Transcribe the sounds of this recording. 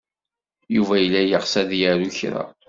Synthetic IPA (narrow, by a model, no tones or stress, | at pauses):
juvæjəlːæjəʁsæðjəɾuçɾa̰